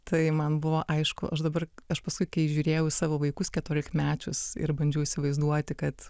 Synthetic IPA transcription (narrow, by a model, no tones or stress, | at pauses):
t̪ɐɪmɐnbʊʋoːʔɐɪʃkʊ̰ʔɐʃd̪ɐbɐrɐʃpɐskʊɪkɐɪʒʲuːɾʲeːjɛʊsɑːʋoːʋɐɪkʊskʲɛt̪oːlʲɪkmʲæːt͡ʃʲʊsɪ̰ɾbɐnʲd͡ʒʲʊisʲɪʋɐɪzd̪uɔt̪ʲɪkɐt̪